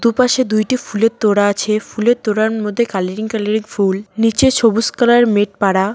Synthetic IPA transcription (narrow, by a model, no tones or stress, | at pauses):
d̪upaʃed̪ujʈifulet̪oɽaat͡ɕʰefuleɾt̪oɽaɾmod̪ʱːekaleɾiŋkaleɾiŋfulnit͡ɕet͡ɕʰobuskalaɾmeʈ̚paɽa